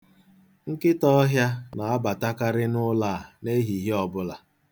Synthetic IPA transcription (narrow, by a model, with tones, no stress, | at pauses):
ŋ̩˦kɪ˦tɔ˦ɦja˦na˨a˦ba˨ta˦ka˦ɾɪ˦nʊ˦la˦˨a˨ne˦ɦi˨ɦe˦ɔ˨bʊ˦la˨